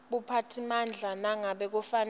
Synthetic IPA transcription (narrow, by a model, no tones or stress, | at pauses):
ɓupʰatʰimand͡ɮʱanaŋaɓɛk̬ufan